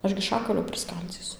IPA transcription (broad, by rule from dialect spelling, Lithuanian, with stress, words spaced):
ˈɐʃ ɡʲɪ ˈʃɑːkɐlʲoː pʲrʲɪˈskɐlʲd͡zʲiːsʊ